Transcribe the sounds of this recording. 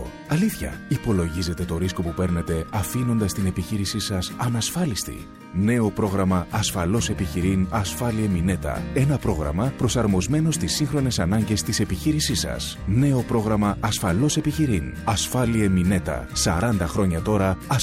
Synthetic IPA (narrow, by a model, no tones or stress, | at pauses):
ɐliθçɐ̰ipo̞lo̞ʝize̞t̪e̞t̪o̞ɾisko̞pupe̞ɾne̞t̪e̞ɐfino̞nd̪ɐst̪ine̞piçiɾisisɐsɐnɐsfɐlist̪ḭ | ne̞o̞pɾo̞ɣɾɐmɐːsfɐlo̞se̞piçiɾinɐsfɐliemine̞t̪ɐ̰e̞nɐpɾo̞ɣɾɐ̰mɐpɾo̞sɐɾmo̞zme̞no̞st̪isːiŋxɾo̞ne̞sɐnɐɲɟe̞st̪ise̞piçiɾisisɐ̰s | ne̞o̞pɾo̞ɣɾɐmɐɐsfɐlo̞se̞piçiɾin | ɐsfɐliemine̞t̪ɐ̰sɐ̰ɾɐnd̪ɐxɾo̞ɲɐt̪o̞ɾɐɐ